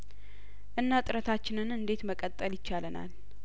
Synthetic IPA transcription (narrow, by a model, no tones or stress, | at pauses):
ʔɨnːat̪ʼɨɾət̪ʰat͡ʃːɪnɨnɨnd̪e̞t̪məkʼət̪ʼːəljɪt͡ʃːaləna̰l